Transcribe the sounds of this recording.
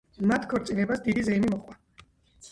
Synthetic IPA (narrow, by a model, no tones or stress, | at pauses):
mat̪ʰkʰɔɾt̪sʼilɛbasd̪id̪izɛimimɔχwa